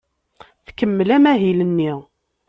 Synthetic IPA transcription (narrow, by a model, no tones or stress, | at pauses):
θkəmːlæmæɦilənːi